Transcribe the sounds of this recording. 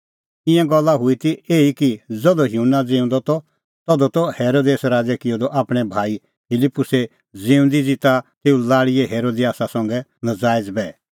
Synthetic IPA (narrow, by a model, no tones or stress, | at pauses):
ɪ̃jɛ̃ɡɔlːaɦʊit̪ieːikid͡zɔd̪ɔɦjunːad͡zɪ̃ːũnd̪ɔt̪ɔ | t̪ɔd̪ɔt̪ɔheːɾod̪eːsɾaːd͡zɛkɪjɔd̪ɔʔaːpɽ̃ɛbʱaːi | pʰɪlipːʊse | d͡zĩːũnd̪id͡zit̪at̪eːũlaːɽijɛɦeːɾod̪iaːsasɔ̃ŋɡɛnɐd͡zaːɪd͡zbɛ